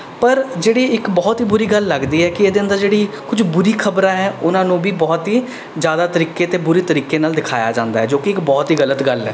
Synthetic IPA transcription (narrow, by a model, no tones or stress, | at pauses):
pəɾd͡ʒeːɽiːɪkbɔːt̪ɦiːbʊɾiːɡəlːəɡd̪iːɦɛːkɪeːd̪eːə̃nd̪əɾd͡ʒeːɽiː | kʊd͡ʒbʊɾiːkʰəbɾãːɦɛːʊnãːnũːbʱiːbɔːt̪ɦiː | zjaːd̪aːt̪əɾiːkeːt̪eːbʊɾeːt̪əɾiːkeːnaːld̪ɪkʰa̰ːja̰ːd͡ʒãːnd̪aːɦɛːd͡ʒoːkɪɪkbɔːt̪ɦiːɣələt̪ɡəlɛ̰ː